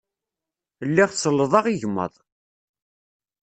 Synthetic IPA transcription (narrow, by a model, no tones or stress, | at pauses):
lːiʁsəlːəðˤɑʁiʝəmːə̰ðˤ